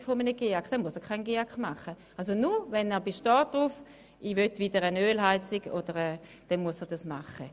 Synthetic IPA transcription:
fomənəɡ̥eakχd̥ɛnmuəsɛɐkʰχaɪnɡeakχmaχə | ʔals̬onuʋɛnɛːɐbeʃtɔːt̚d̥ʁuːf | ʔiʋøtʋid̥əʁənøːlɦaɪt͡siɡod̥əʁɛː | d̥ɛnmuəsɛʁd̥asmaχə

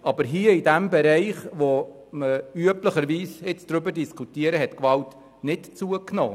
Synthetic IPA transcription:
ʔɑbəɾɦiəidæmbɛɾɛɪχʋo | məyəpləχəɾʋiːsɪt͡sd̪̥ɾʏbəɾdiskʰutiəɾəɦɛtkʋɑlt | nɪtt͡suəkno̰ː

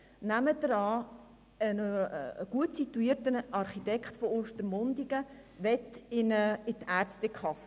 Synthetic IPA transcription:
næmədəɾɑː | ənɡ̥uətsitːuiːrtənɑrχitɛkχtfooːʃtəɾmʊndiɡə | ʋɛt̪ɪnəɪtæːɾt͡stɛkʰχɑsə

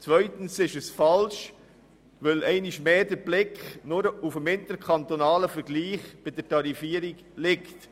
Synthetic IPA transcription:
t͡svœʏtən̩sɪʃəsfɑlʃ | vœlʔɛɪniʃmeːdəɾblɪkχnʊɾufəmɪntəɾkʰɑnt̪onɑːləfəɾɡliːχb̥ɪdəɾtɑɾifiːəɾiɡ | lɪkt

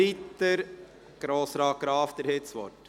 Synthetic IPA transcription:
it̪ːəɾ | ɡ̥ɾoːsɾɑːɡ̥ɾɑːfd̪əɾhet͡sʋɔ̰ɾt

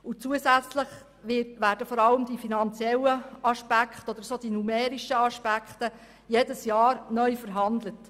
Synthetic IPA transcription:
ʊt͡suəsæt͡sləχ | ʋɪʋæːɾdəfoɾɑləmd̥ifinɑnt͡sjɛləɑʃpækχtəod̪əɾsoːd̥inumɛːɾiʃəɑʃpækχtə | jeːdəsjɑːɾnœʏfəɾɦɑndlət

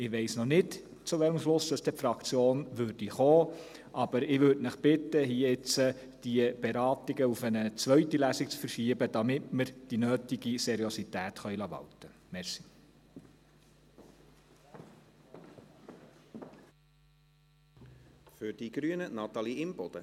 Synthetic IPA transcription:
ɪʋeɪsnɔnɪd | t͡sʊʋɛləmʃlʊsdəsd̥̪ɛfɾɑkt͡sjoːnʋøːɾd̥iχoː | ʔɑb̥əɾɪʋøɾdnəχb̥ɪt̪ːəhiəɪt͡sə | d̥iəb̥eɾɑːtiɡəufənət͡sʋœɥtilæsik̚t͡sfəɾʃiəbəd̥ɑmɪtməɾd̥inøːtiɡisɛɾiositæːtχœɥlɑʋɑ̰ltəmɛɾsi̥ | fʏɾd̥iɡ̥ɾyːənənɑt̪ɑliɪmb̥ɔd̥̪ə

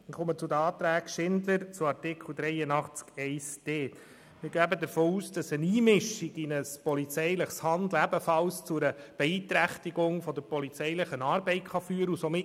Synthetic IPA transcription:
χomət͡sʊd̪əɑːt̪ɾæːkʃɪnd̪əɾt͡sʊɑɾtɪkχl̩ˠd̪ɾɛɪənɑχt͡skɛɪsd̥eː | mɪɾɡæːbəd̪əɾfoːuːsd̥ɑsəniːmɪʃiɡinəspɔlit͡sɛɪləχshɑnd̪læbəfɑlst͡sʊɾəb̥ɛiːt̪ɾæχtiɡʊŋfɔd̪əɾpɔlit͡sɛɪləχənɑːɾbɛɪtχɑfyːəɾəusomɪ

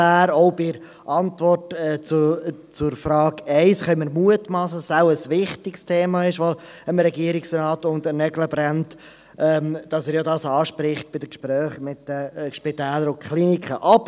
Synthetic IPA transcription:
æːɾoʊbɪɾ | ʔɑntʋɔrtɛt͡st͡sʊɾfɾɑːɡɛɪsχœʏməɾmuətmɑsəsaʊəsʋɪχtɪkstʰeːmɑɪʃʋoəmɾɛɡiəɾɪksɛnɑːtʊnd̪ənɛɡləbɾɛnt | ʔɛːmd̥ɑsɛɾjodɑsɑːʃpɾɪχt̚b̥ɪdəkʃpɾœːχmɪtːəʃpɪtæːləɾʊkʰχlinikχəʔɑbə

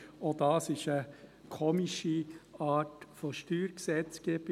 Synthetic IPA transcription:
od̪ɑːsɪʃəkʰoːmiʃiɑːtfɔʃtyːɾksɛt͡sɡ̥eːb̥

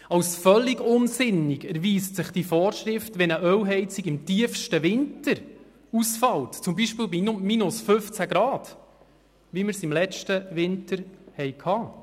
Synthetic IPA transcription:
ɑwsfœlːɪɡʊnsɪnːɪɡæɾʋiːstsɪχd̥ifɔːɾʃɾɪftʋɛnəʔœwɦɛɪt͡siɡɪmtiəfʃtəʋɪntəɾ | usfɑltt͡sʊmbiʃpɪːlbinminʊsfɵft͡sæɡɾɑːd̥ | ʋimɪɾsɪmlɛt͡ʃtəʋɪntəɾhɛjkʰhɑː

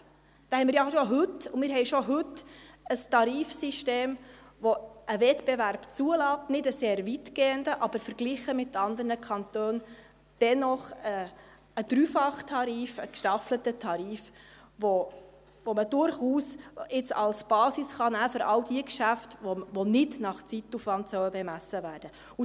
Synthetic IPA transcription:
d̥ɛhɛɪmɪɾjɑʃoɦɵtʊmɪːɾɦɛɪʃɔɦɵtːəstɑɾiːfsiʃteːmʋoʔəvɛtb̥eværb̥t͡suəlɑːtnɪdəseːɾvitɡ̥eːəndəʔɑb̥əɾfəɾɡ̥liχəmɪtːɑnd̪əɾnəkʰɑnt̪øːn | d̥ɛnɔχə | əd̥ɾyːfɑχtʰɑɾiːfəkʃtɑflətətʰɑɾiːf | ʋo | voməd̥ʊɾχuːsɪt͡sɑlsb̥ɑːsisχɑnæːfɾɑwdiəkʃæftoʋonɪdnɑχt͡situfʋɑntsœwəbɛmæsəvæːɾd̥ə | ʊ

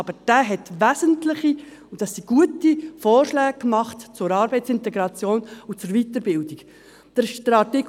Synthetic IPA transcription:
ɑb̥əɾd̥æːɦɛtʋæsəntlɪχi | ʊd̥ɑssiɡ̥uətifoːrʃlɛːɡ̚kmɑχtt͡sʊɾɑːɾbɛɪtt͡sɪntɛɡɾɑt͡sjoːnut͡sʊɾvit̪əɾbɪldiɡ | d̥əʃdɾɑtik

